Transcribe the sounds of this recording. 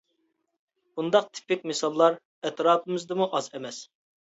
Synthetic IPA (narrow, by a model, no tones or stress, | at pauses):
b̥und̪ɑq̚t̪ʰɪ̥pːɪkʲmɪsɑlˠːɑɾ | ɛt̪ɾɑːpʰɪmɪzd̪ɨmuʔɑzɛmɛs